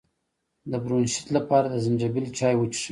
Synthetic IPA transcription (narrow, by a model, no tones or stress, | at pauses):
d̪əbɾonʃɪ̥t̪lapɑɾad̪əzɪnd͡ʒabilt͡ʃɑjwət͡ʃʂ